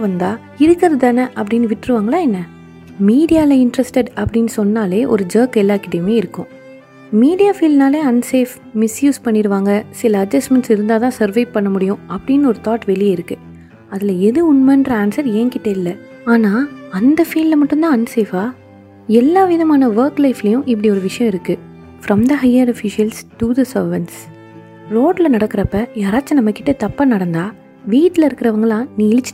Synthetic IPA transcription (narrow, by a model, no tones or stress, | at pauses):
ʋɐnd̪aː | ɪɾɯkːɪɾɐððɐnɐʔɐpːɐɽɪnːɯʋɪʈːɪɾɯʋaːŋɡɐlaːɛnːɐ | miːɽɪjaːlɐɪɳɖɾɐsʈɛɖɐpːɐɽɪnːɯsɔnːaːleːʔɔ̰ɾɯd͡ʒoːkɛlːaːkɪʈːɐjmeːɪɾɯkːʊ̃ | miːɽɪjaːfiːlnaːleːɐnseːf | mɪsjuːspɐɳːɪɾɯʋaːŋɡɐsɪlɐːd͡ʒɐsʈmɛɳʈsɪɾɯnd̪aːt̪ãːsɐɾʋɐɪpɐɳːɐmʊɽɪjʊ̃ɐpːɐɽɪnːɯɔɾɯt̪aːʈʋɛlɪjeɪɾɯkːɯ | ɐðɪlɐɛðɯʊnmɐnɖɾaːnsɐɾeːŋkɪʈːɐɪlːɐ | aːnaːɐnd̪ɐfiːllɐmɐʈːɯnd̪ãːɐnːseːfaː | ɛlːaːʋɪðɐmaːnɐʋɐɾklɐɪfɪlɐjʊ̃ʔɪp̬ːɐɽiɔɾɯʋɪʂɐjɐ̃ɪɾɯkːɯ | fɾɐmd̪ɐɦɐɪɐɾɐfɪʂɪɐlsʈuðɐsɐɾʋɐns | ɾoːʈlɐnɐɽɐkːɪɾɐpːɐjaːɾaːt͡ʃːɐnɐmːɐkːɪʈːɐt̪ɐpːaːnɐɽɐnd̪aː | ʋiːʈːɪlɐɪɾɯkːɪɾɐʋɐŋɡɐlãːniːɪlɪt͡ʃː